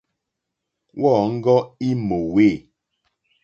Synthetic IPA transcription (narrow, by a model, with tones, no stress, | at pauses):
wʔɔ˦˨ŋ̩˦ɡɔ˦i˦mo˨we˦˨